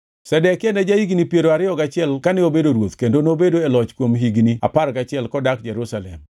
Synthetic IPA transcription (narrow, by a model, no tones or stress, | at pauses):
sɛdɛkɪɛndɛd͡ʒaiɡnipjeɾoaɾɪjɔɡat͡ʃɪɛlkanɪobedoɾwot̪kendonobedoelɔt͡ʃkwomɦiɡnia̰paɾɡat͡ʃɪɛlkɔdak̚d͡ʒɛɾusalɛm